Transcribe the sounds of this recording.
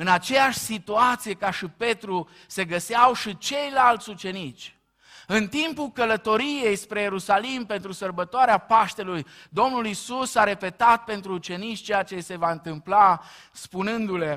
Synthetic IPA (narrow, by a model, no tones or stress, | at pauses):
ɨnat͡ʃe̞jaʃʲsit̪uat̪sije̞kaʃipe̞t̪ɾu | se̞ɡəseawʃit͡ʃe̞jlalt̪sʲut͡ʃe̞nit͡ʃʲ | ɨnt̪impulkələt̪o̞ɾije̞jspɾe̞je̞ɾusalimpe̞nt̪ɾusərbət̪oaɾeapaʃt̪e̞lujd̪o̞mnulisusaɾe̞pe̞t̪at̪̚pe̞nt̪ɾuːt͡ʃe̞nit͡ʃʲt͡ʃe̞jat͡ʃe̞se̞vaɨnt̪ɨmpla | spunɨnd̪ule̞